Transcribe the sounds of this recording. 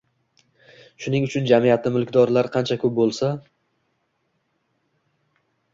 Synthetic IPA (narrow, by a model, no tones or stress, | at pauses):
ʃʊnɪŋʊt͡ʃʰʊnd͡ʒamijat̪ʰɪmɪlˠkʲd̪ɒɾlaɾqʰɑnt͡ʃʰakʰɵʊp̚bolˠsa